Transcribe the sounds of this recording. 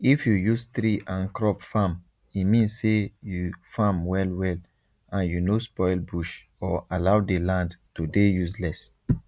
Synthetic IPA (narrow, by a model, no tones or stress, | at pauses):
ifjujust̪ɾiʔãnkɹɔpfãm | imĩnssejufãmwɛlwɛl | ãnjunospɔɪlbuʃ | ɔalawdelãndtudejuslɛs